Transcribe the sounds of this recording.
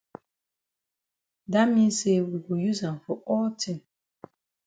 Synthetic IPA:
da˦mĩ˦se˦wi˨wu˨ju˦zã˨mfɔ˨ʔɔ˦ltʰĩ˦˨m

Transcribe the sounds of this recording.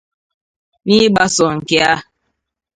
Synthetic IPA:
ni˦ɓa˦sɔ˨ŋ̩˨ke˦a˦

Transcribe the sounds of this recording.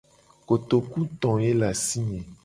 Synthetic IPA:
ko˨t̪o˨ku˦t̪ɔ̃˨je˦la˨si˦ɲẽ˨

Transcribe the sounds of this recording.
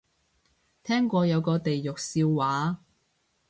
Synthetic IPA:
t̪ʰɛː˥ŋkʷɔː˧jɐ˨˧wkɔː˧t̪e˨jːʊ˨k̚siː˧wːaː˨˥

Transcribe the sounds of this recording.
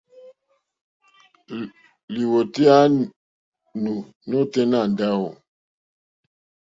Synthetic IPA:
li˨wo˨ti˦a˦ | nu˨ | no˦te˦na˦˨n˨da˦wo˨

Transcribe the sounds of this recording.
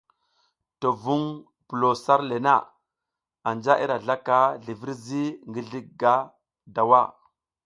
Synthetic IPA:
to˨vu˦ŋ | pu˨lo˨sa˦ɾle˨na̰˦˨ | a˨nd͡ʒa˦ʔi˦ɾa˨ɮa˦ka˦ɮi˨vi˦ɾzi˦ŋɡi˦ɮi˦k̚ɡa˦ | da˨wa˦˨

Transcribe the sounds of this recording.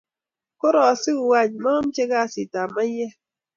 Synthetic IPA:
ko˦ɾɔ˨si˦u˨wa˦˨ɲma˦m̩˦t͡ʃe˦ɡa˦˨si˨ta˨ma˦ɲe˦

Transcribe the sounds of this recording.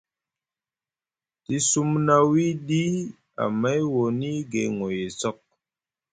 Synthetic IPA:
ti˦su˦mna˦wi˦di˦ | a̰˨ma˦jwɔ˨ni˦ɡe˨ŋo˨je˨t͡sɔ˦k̚

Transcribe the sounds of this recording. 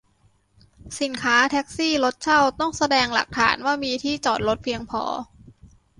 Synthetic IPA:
si˨˩˦nkʰaː˦˥t̪ʰɛː˦˥k̚siː˥˩lo˦˥t̪̚t͡ɕʰa˥˩wt̪ɔ˥˩ŋsa˧dɛː˧ŋla̰˨˩k̚t̪ʰa̰ː˩˦nwaː˥˩miː˧t̪ʰiː˥˩t͡ɕɔː˨˩t̪̚lo˦˥t̪̚pʰi˧əŋpʰɔ̰ː˧

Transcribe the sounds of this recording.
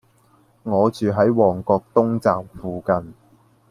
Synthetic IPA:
ŋɔː˨˧t͡ʃyː˨ɦɐ˨˥jwɔː˨˩ŋkɔː˧k̚t̪ʊ˥ŋt͡saː˨p̚fuː˨kɐ˨˧n

